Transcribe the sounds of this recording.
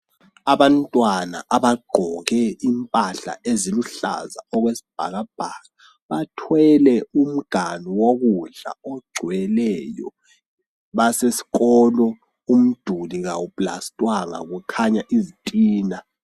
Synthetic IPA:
aβantʼwana̰ʔaβaɡ͡ǃʱɔɣɛimpʼaɬa̰ʔeziluɬa̰za̰ɔɣwesi̥b̥ʱa̰ɣab̥ʱaɣa | βatʰwɛlɛum̩ɡ̥ʱaniwoɣuɮa̰ɔɡ͡ǀʱwɛlɛjɔ̰ | βasesi̥ɣɔlɔ | um̩d̥ʱuliɣawupʼla̰stʼwaŋa̰ɣukʰaɲaʔizitʼiːna

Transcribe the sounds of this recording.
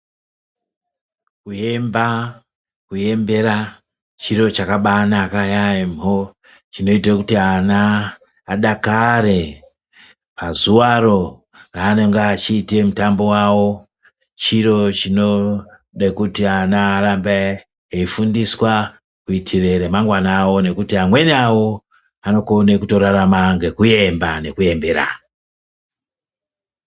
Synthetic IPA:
kujemba | kuje̞mbe̞ɾa | t͡ʃiro̞t͡ʃakaɓanaːkajaemo | t͡ʃino̞itakutianaː | ɗakaɾe̞ | pazuwaɾo̞ | raːno̞ŋɡaːt͡ʃiːte̞mutambo̞wawo̞ | t͡ʃiɾo̞t͡ʃino̞ | ɗekutianaːɾambe | eifundiswa | kuitʰireɾemaŋɡwanawo̞ne̞kutiamwe̞niawo̞ | ano̞kone̞kuto̞ɾaɾamaŋɡe̞kuje̞mbane̞kuje̞mbeɾa̰

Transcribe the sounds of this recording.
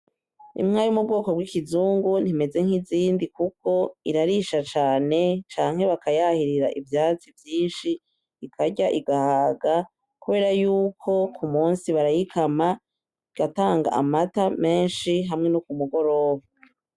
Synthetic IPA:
ḭmŋaːjumub̚ɡo̞ːko̞bɡikizuːŋɡun̥hime̞ze̞ŋhiziːndikukʰo̞iɾaɾiʃat͡ʃaːne̞t͡ʃaːŋhe̞βakajahiɾiɾaʔivjaːt͡sivjiːnʃiː | kʰaɟaʔiɡahaːɡa | kuβe̞ːɾajuːkʰo̞kumuːnsiβaɾajikʰama | iɡ̥ataːŋɡa̰ʔa̰matame̞ːnʃiɦamŋe̞nukumuɡo̞ɾo̞ːβa

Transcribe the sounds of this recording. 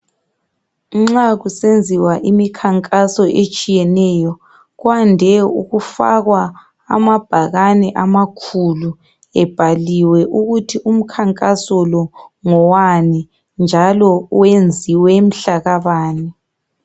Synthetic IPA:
ŋ͡ǁaɣusend͡zʱiwaʔimikʰaŋkʼasɔʔet͡ʃʼijɛnɛjɔ | ɣwandʱɛṵɣufa̰ɣwa̰ː | mab̥ʱaɣanɛʔamakʰulu | ɛb̥ʱaliwɛʔuɣutʰiʔum̩kʰaŋkʼasɔlɔŋɔwani | nd͡ʒʱalɔwend͡zʱiwɛm̩ɬaɣaβaːni

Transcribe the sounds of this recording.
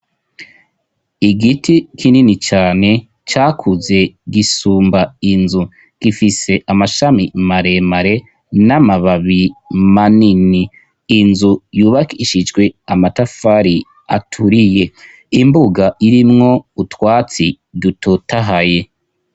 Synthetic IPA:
iɡitikʰininit͡ʃaːne̞ | t͡ʃaːkʰuze̞ɡisuːmbainzu | ɡ̥ifise̞ʔamaʃamimaɾe̞maɾe̞ | namaβaβimaniniː | nzujuːβakiʃid͡ʒɡwe̞amatafaɾi | a̰tʰuɾije̞ | imbuɡaʔiɾimŋo̞utwaːt͡si | dutotaɦaje̞

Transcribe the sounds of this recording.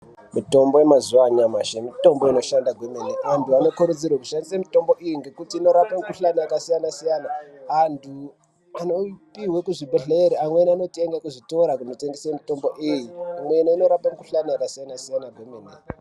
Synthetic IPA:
mito̞mbo̞jemazuwaɲamaʃemito̞mbo̞ino̞ʃandaɡʱwemeneʔantuano̞kuɾud͡zirwaku̥ʃandisamito̞mbo̞ʔijiŋɡe̞kutiːno̞ɾapeŋkuɬanajakasijanasijanaːntʰu | ano̞piwekuʐibʱeɮeːɾiamwenano̞tieŋɡakuʐitoɾakunotendisemito̞mbo̞ʔijiamwe̞naino̞ɾapaŋkuɬanajakasijanasijanaɡwemene

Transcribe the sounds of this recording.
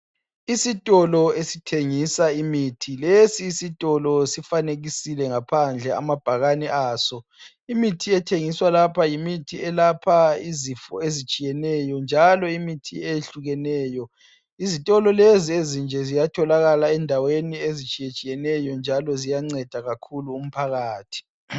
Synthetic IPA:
isitʼɔlɔesitʰeŋisaimitʰilesiːsitʼɔlɔsifaneɣisilɛŋapʰand͡ɮʱɛa̰mab̥ʱaɣanɛʔaːsɔ | imitʰiɛtʰeŋiswalapʰajimitʰiɛlapʰaizifɔ̰ezit͡ʃʼijɛnɛjɔnd͡ʒʱalɔimitʰieɬuɣɛnɛːjɔ | izitʼɔlɔleziezind͡ʒʱɛzijatʰɔlaɣalaɛndʱaweniezit͡ʃʼijet͡ʃʼijɛnɛjɔnd͡ʒʱalɔzijaŋ͡ǀɛd̥ʱaɣakʰuluːm̩pʰaɣaːtʰi̥

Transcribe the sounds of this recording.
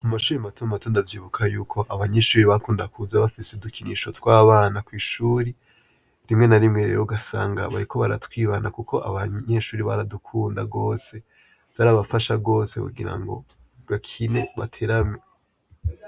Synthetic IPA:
amaʃuːɾimatʰumamatʰo̞ːndavjiːβukʰajuːkʰo̞ʔaβaɲe̞ʃuːɾiβakuːndakuzaβafiseudukinḭʃo̞twaːβaːnakwiːʃuːɾi | ɾimŋe̞naɾimŋeɾḛwoɡasa̰ːŋɡa̰βa̰ɾikʰo̞βaɾa̰twiːβanakukʰo̞ʔa̰βaɲe̞ʃuːɾiβaɾadukʰuːndaɡo̞ːse̞ | z̥aɾaβafaʃaɡo̞ːsekṵɡiɾa̰ŋɡo̞̰ | bakʰine̞βa̰tʰeɾamɲe

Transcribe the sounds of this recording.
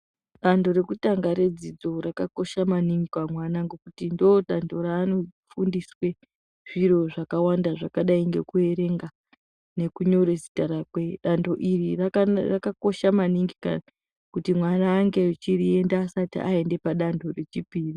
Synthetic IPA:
ɗando̞ɾe̞kutaŋɡaɾe̞d͡zid͡zo̞ɾakako̞ʃamaniŋɡikwamwanaŋɡo̞kutindoɗando̞ɾaːnofundiswe̞ | ʐ̥iɾo̞ʐakawandaʐakaɗaiŋɡe̞kue̞ɾe̞ŋɡa | ne̞kuɲo̞ɾezi̥taɾakweɗando̞ʔirirarakako̞ʃamaniŋɡika̰ | kutimwanaːŋɡe̞it͡ʃiɾie̞ndaːsatḭʔae̞nde̞paɗando̞re̞t͡ʃipiːri

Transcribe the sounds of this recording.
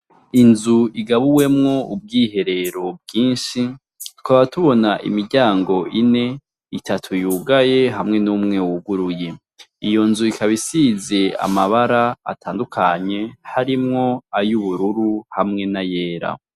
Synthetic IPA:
inzuiɡaβuwe̞mŋo̞ub̚ɡiːɦe̞ɾe̞ɾo̞b̚ɡiːnʃi | tu̥kaβaβatuβo̞naʔḭmiɾɟaːŋɡo̞ʔine̞ | itʰatʰujuɡaje̞ɦamŋe̞numŋe̞wuɡuɾuje̞ | ijo̞nzuikʰaβisize̞a̰maβaɾaa̰tʰaːndukʰaɲe̞haɾimŋo̞ajuβuɾuɾuhamŋe̞naje̞ːɾa̰

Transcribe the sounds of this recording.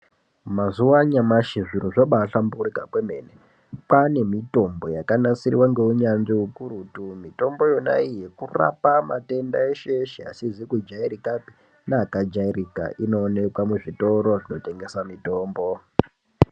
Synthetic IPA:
mazuwaɲamaʃiʐin̤uʐoɓaɬamburikapwemeːne | pane̞mito̞mbo̞jakanasirḭwaŋɡe̞uɲanʐiukuɾutumito̞mbo̞jo̞na̰ije̞kura̰pamate̞ndaeʃeʃea̰sizikud͡ʒaiɾikapi̥ | naːkad͡ʒaiɾika̰ʔino̞ːne̞kwamuʐito̞ɾo̞ʐino̞te̞ŋɡe̞samito̞ːmbo̞

